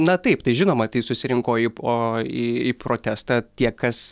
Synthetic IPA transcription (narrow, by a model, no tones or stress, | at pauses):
nɐt̪ɐɪpt̪ɐɪʒʲɪnoːmɐt̪ɐɪsʊsʲɪɾʲɪŋkoːioːiipɾoːt̪ʲæːst̪ɑːt̪ʲiɛkɐs